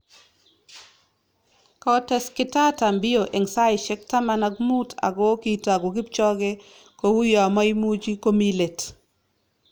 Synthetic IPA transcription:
kɔ˦tɛ˦skɪ˦ta˦ta˨mbɪ˦o˨ʔe˨ŋsa˦ɪ˨ʃɛ˦k̚ta˦ma˨na˨ɡmu˦tʰa̰˨ɡo˦ki˦ta˨ɡo˨ɡi˦p̚t͡ʃɔ˦ɡe˦ | ko˨wu˦jɔ˨mɔ˦i˦mu˦d͡ʒi˦ko˦mi˦le˨t

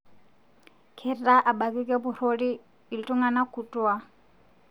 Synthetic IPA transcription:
kʰɛ˦tʼa˦ʔa˨ba˨kʼi˦kʼɛ˦bu˨ɾo˦ɺiː˦˨ | ltʼu˦ŋɡa˨na˦kʰu˨tʼu˦wa˦

